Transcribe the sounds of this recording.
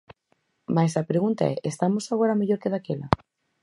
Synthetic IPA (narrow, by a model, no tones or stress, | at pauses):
majsapɾeɣunt̪a̰ɛ̰ʔest̪amosaɣoɾameʎoɾkeðakela̰